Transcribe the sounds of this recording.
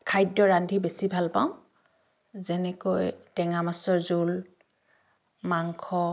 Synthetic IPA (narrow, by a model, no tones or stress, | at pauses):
kʰajdːɔɹandʱibesibʱalpa̰wʊ̃ | zɛnɛkojtɛŋamasɔɹzul | maŋkʰɔ